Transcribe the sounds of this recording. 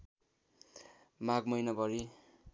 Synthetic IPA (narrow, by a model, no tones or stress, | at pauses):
maɡmʌjnʌbʱʌɾi